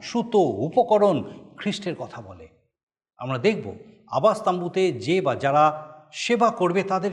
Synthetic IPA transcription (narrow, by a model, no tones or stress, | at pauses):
ʃut̪oupokoɾonkʰɾiʃʈeɾkɔt̪ʰabɔle | a̰mɾad̪ek̚ʰbo̰ | a̰bast̪ambut̪ed͡ʑebad͡ʑaɾaʃebakoɾbet̪ad̪eɾ